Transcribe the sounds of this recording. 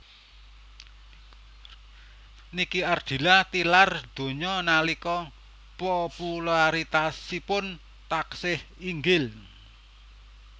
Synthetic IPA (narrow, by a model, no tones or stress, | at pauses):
nikiard̥i̤lat̪ilard̪̥o̤ɲɔnalikɔ | populaɾit̪asipʊn | t̪aksɪhiŋɡɪl